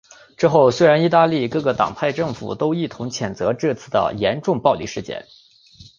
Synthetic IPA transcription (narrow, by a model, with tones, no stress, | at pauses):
ʈ͡ʂɻ̩˥˧xo˥˩ʊswe˥ɪɻa˧˥ni˥˧t̪a˥˧li˥˩kɤ˥˩ɡə˩t̪ɑ̰˨˩ŋpʰa˥˧ɪʈ͡ʂɤ˥˩ŋfṵ˨˩t̪o˥ʊi˥˩t̪ʰʊ˧˥ŋt͡ɕʰjɛ˨˩nt͡sɤ˧˥ʈ͡ʂɤ˥˧t͡sʰɹ̩˥˩d̪ə̰˩jɛ˧˥nʈ͡ʂʊ˥˧ŋpɑ˥˧ʊlḭ˥˩ʂɻ̩˥˧t͡ɕjɛ̰˥˩n